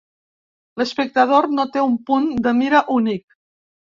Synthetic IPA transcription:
ləspək̚t̪əð̞ornot̪eumpund̪əmiɾəʔunik̚

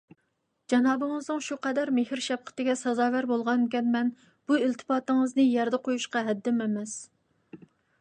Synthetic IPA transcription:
d͡ʒɑnɑːbɨŋɨznɨŋʃuqɛd̪æɾmehɾʃɛp̚qʰə̥t̪ɪɡʲɛsɑzɑːvæɾbolˠʁɑnkʲɛnmɛn | b̥uilt̪ʰɪ̥pɑːt̪ɨŋɨznɨjɛɾd̪ɛqʰojuʃqɑɦɛd̪ːɪmɛmɛs

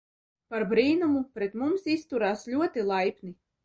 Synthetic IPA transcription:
paɾbɾiːnumupɾɛt̪mumsist̪uɾaːslʲuɔt̪ilˠajpʲni

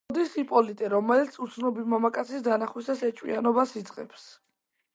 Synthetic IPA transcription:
d̪isipʼɔlit̪ʼɛɾɔmɛlit̪sʰut̪sʰnɔbimamakʼat̪sʰisd̪anaχwisasɛt͡ʃʼwḭanɔbasid̪z̥ʼqʼɛ̰ps

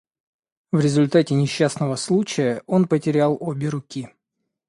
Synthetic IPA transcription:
vɾʲɪzʊlʲt̪atʲɪnʲɪɕːasnəvəslˠut͡ɕɪjəʔo̞npətʲɪɾʲalˠo̞bʲɪɾʊkʲi

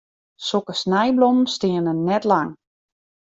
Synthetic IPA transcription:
sokəsnɛjblomən̩stɪənənːɛtlaŋ

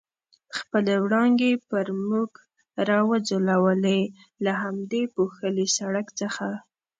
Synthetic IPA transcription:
xpəlewɽɑŋɡepəɾmuɡ | ɾɑwəd͡zolawəlej | laɦamd̪epoxəlisaɽakt͡səxa

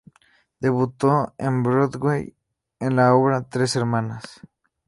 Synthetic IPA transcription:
d̪̥eβut̪oembɾoðwej | enlaoβɾat̪ɾeseɾmãnas

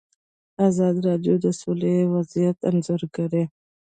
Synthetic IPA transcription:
azɑd̪iɾɑɖjod̪əsolewazijat̪a̰nzəɾɡaɾe

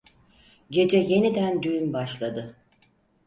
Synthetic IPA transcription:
ɟe̞d͡ʒɛje̞nid̪ænd̪yjymbaʃlˠad̪ɯ

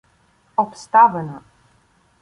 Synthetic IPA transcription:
ɔpst̪avənə

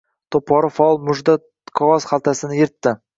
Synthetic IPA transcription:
t̪ʰopːɒɾɪfalˠmʊʒd̪a | qʰɒʁɑzχalˠt̪ʰasɪnɪjeɾt̪ːɪ

